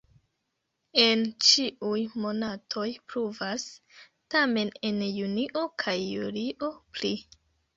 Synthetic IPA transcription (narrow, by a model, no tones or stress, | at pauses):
e̞nt͡ʃiʔujmo̞natʰo̞jpɾuvas | tame̞ne̞njuniʔo̞kʰajːṵɾiʔo̞pli